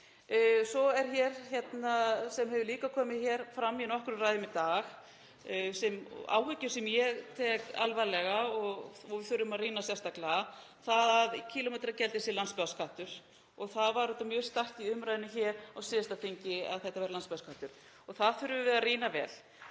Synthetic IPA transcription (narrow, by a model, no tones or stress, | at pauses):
sɔɛɾ̥çɛːɾ̥çɛt̪nasɛmɦɛvʏliːkakʰɔːmɪðçɛɾ̥fɾamːinɔhkʏɾʏraːjðʏmɪt̪aːx | sɛma̰ːwɦʏcːʏsɛmjɛɣt̪ʰɛːka̰lvajlɛɣaɔɣɔɣvɪθʏɾːʏmaðriːnasjɛst̪aklaθaðaðcʰiːlɔmɛjt̪ɾacɛlt̪ɪsɪlanspɛðaskʰaht̪ʏɾ̥ | ɔɣθaðvaɾɔt̪ːamjœːst̪ar̥t̪iʏmɾajðɪnʏçɛɾawsɪːðɪst̪aθeɲcɪa̰ðθɛht̪avɛɾɪlanspɛðaskaht̪ʏɾ̥ | ɔɣθaðθʏɾʏvɪvɛːɾariːnavɛ̰ːl